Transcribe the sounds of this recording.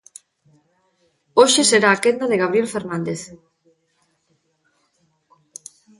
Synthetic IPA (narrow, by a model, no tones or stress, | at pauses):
oʃeseɾaːkend̪aðeɣaβɾijelfeɾnãnd̪eθ